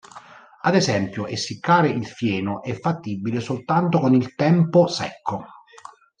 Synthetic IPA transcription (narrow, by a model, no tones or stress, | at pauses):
ad̪ezɛmpjʊʔesːikːaːɾeʔilfjɛːnoʔɛfːat̪ːibːilesolt̪ant̪okonilt̪ɛmposɛkʰːo